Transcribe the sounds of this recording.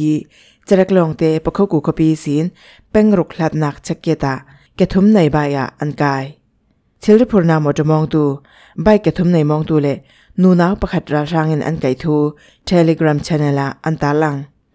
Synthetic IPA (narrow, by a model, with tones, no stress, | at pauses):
i˧ | t͡ɕə˧ɾɛ˧˥k̚lɔ˨ŋt̪ɛ˧pə˨kʰo˦wku˨kʰɔ˧pi˧˦si˨˦n | pɛ˥˨ŋɾʊ˨k̚l̥a˧t̪̚na˧˨k̚t͡ɕʰɛ˧kːɛ˧t̪a˨ | kɛ˨t̪ʰu˦mnɐ˨jba˧˨ja̰˨ʔʔa˧nkaː˧j | t͡ɕʰi˧˦lɾi˦pʰu˨ɾna˧˨mɔ˨tɔ˧˨mɔ˧ŋt̪u˧ | ba˧˨jkɛ˨t̪ʰu˨˦mna˨jmɔ˧ŋt̪u˧lɛ˧˨ | nu˨na˨˦wpɐ˧˨kʰa˨t̪̚ɾa˧lraː˧ŋi˨nʔa̰˧˨nka˨jt̪ʰu˧˦ | tʰe˧lɛ˧ɡɾa˨mt͡ɕʰɛ˧na˨la˨ʔa˧nt̪aː˨˦la˧˨ŋ